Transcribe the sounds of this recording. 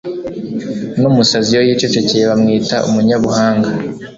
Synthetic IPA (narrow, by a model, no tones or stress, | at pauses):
numusazijo̞jiːt͡ʃot͡ʃo̞cejeβamŋiːtaʔṵmuɲaβuhaːŋɡa